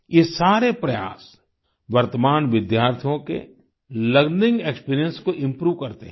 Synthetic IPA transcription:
jesaːɾepɾɐja̰ːs | ʋɐɾt̪əmaːnʋɪd̪jaːɾt̪ʰijõkḛ | ləɡnɪ̃ŋɡekspiːɾijə̃nskoʔɪ̃mpɾuːʋkɐɾt̪ḛɦɛ

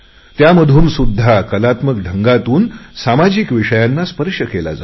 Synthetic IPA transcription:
t̪jaməd̪ʱuːmsud̪ʱːakəlat̪mək̚ɖʱəŋɡat̪uːnsamad͡ʑikʋiʂəjanːaspəɾʂəkela̰d͡za

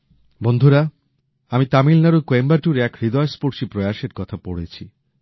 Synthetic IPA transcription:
bond̪ʱuɾa | amit̪amilnaɾukoembaʈuɾɛkɾid̪ɔespoɾʃipɾojaʃeɾkɔt̪ʰapoɽet͡ɕʰi

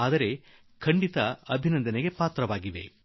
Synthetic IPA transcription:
aːd̪ɐɾe̞ | kʰɐɳɖit̪ɐɐbʱinɐnd̪ɐneɡe̞paːt̪ɾɐʋaːɡiʋe̞̰

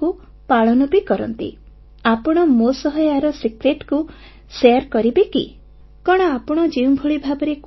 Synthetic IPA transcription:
ku | paɭɔnɔbikɔɾɔ̰nt̪ḭ | apɔɽ̃ɔmosɔɦɔjaɾɔsikɾeʈku | seaɾkɔɾibekḭ | kɔɽ̃ɔapɔɽ̃ɔd͡ʒiw̃bʱuɭibʱabɔɾek

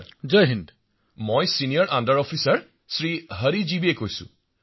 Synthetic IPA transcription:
d͡ʒəjɦind | mojsinijaɹʔandaɹɔfʰisaɹ | sɹiɦəɹizibiɛkojsʊ̰̃

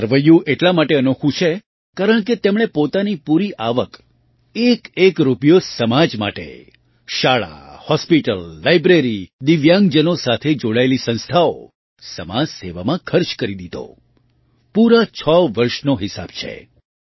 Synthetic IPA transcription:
əɾʋəjũʔeʈlamaʈeənokʰũt͡ʃʰe | kaɾəɳ̃k̬et̪emɽ̃epot̪anipuɾiʔaʋək | ekekɾupjosəmad͡ʒma̰ʈḛ | ʃaɭa̰hɔspiʈəlːajbɾeɾid̪iʋjãŋɡd͡ʒənosat̪ʰed͡ʒoɽaelisə̃nst̪ʰao̰ | səmad͡ʒseʋamãkʰəɾt͡ʃkəɾid̪id̪o̰ | puɾat͡ʃʰəʋəɾʃnoɦɪsa̰b̥t͡ʃʰḛ

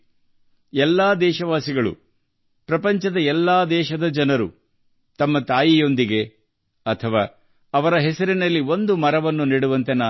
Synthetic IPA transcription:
ɛlːaːd̪ɛːʃɐʋaːsiɡɐɭṵ | pɾɐpɐɲt͡ʃɐd̪ɐɛlːaːd̪ɛːʃɐd̪ɐd͡ʒɐnɐɾṵ | t̪ɐmːɐt̪aːjijo̞nd̪iɡe̞ | ɐt̪ʰɐʋaː | ɐʋɐɾɐɦɛsɐɾinɐlːio̞nd̪umɐɾɐʋɐnːuniːɽuʋɐnt̪enaː

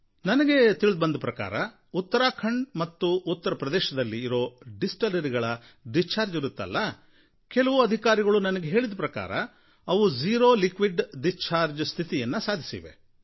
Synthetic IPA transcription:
nɐnɐɡe̞t̪iɭid̪bɐnd̪ɐpɾɐka̰ːɾɐ | ut̪ːɐɾaːkʰɐɳɖmɐt̪ːuːt̪ːɐɾɐpɾɐd̪ɛːʃɐd̪ɐlːiːɾo̞ːɖisʈɐlɐɾiɡɐɭɐ | ɖist͡ʃːaːɾd͡ʒiɾut̪ːɐ̰lːɐ | kɛlɐʋuɐd̪ʱikaːɾiɡɐɭunɐnɐɡe̞ɦe̞ːɭid̪ɐpɾɐka̰ːɾɐ̰ | ɐʋud͡ʒiːɾo̞ːlikʋiɖɖist͡ʃʰaːɾd͡ʒst̪ʰit̪ijɐnːɐsaːd̪ʱisḭʋe̞̰

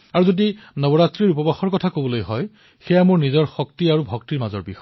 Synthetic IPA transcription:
aɹuzodinɔbɔɹatɹiɹupɔbaxɔɹkɔtʰakobɔlojɦɔj | xɛjamoɹnizɔɹxɔk̚tiaɹubʱɔk̚tiɹmazɔ̰ɹbixɔ

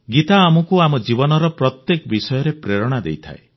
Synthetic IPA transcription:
ɡit̪aːmɔkuamɔd͡ʒibɔnɔɾɔpɾɔt̪jekɔbisɔjɔɾepɾeɾɔɽ̃ad̪ḛjt̪ʰa̰e

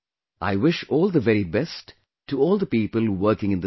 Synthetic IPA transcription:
ʔa̰ɪwɪʃɔːlˠd̪əʋɛɾibɛstʰː | uɔːlˠd̪əpiːpəlˠwɜ˞kɪ̃ŋɨ̃nd̪

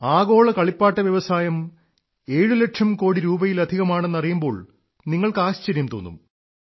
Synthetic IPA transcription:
aːɣo̞ːɭɐkɐɭipːaːʈːɐʋjɐʋɐsaːjɐm | e̞ːɻuleʈʂɐmko̞ːɽiɾuːbɐjilɐd̪ʱiɣɐmaːɳe̞nːɐrijumbo̞ːɭ | niŋːɐɭkɨaːɕt͡ɕɐɾjɐmt̪o̞ːnːṵm

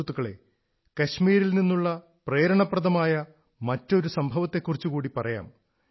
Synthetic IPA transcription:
t̪ːuɣɐɭe̞̰ | kɐɕmiːɾilninːuɭːɐ | pre̞ːɾɐɳɐprɐðɐmaːjɐ | mɐtːo̞ɾusɐmbʱɐʋɐt̪ːe̞kːurit͡ɕːukuːɽipɐrɐja̰ːm

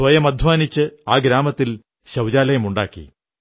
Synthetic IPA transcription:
sʋɐjɐmɐd̪ʱʋaːnit͡ɕːɨaːɡɾaːmɐt̪ːil | ɕɐwd͡ʑaːlɐjɐmuɳɖa̰ːkːḭ

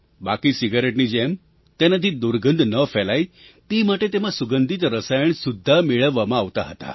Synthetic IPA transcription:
bakisiɡəɾeʈnid͡ʑem | t̪ɛnad̪ʱid̪uɾɡənd̪ʱnəfɛlaj | t̪imaʈet̪emãsuɡənd̪ʱit̪ɾəsajəɳsud̪ʱːameɭəʋːamãːʋt̪a̰ɦət̪a̰

